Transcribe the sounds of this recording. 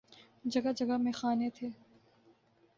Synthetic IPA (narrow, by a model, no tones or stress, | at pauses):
d͡ʒɐɡad͡ʒɐɡamẽxaːnet̪ʰeː